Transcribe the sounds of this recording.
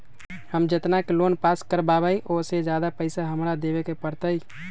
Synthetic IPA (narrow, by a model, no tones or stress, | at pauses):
həmd͡ʒet̪nakelonpaskəɾbabəjʔosed͡ʒad̪apəɪsaɦəmɾad̪ebekepəɾt̪əj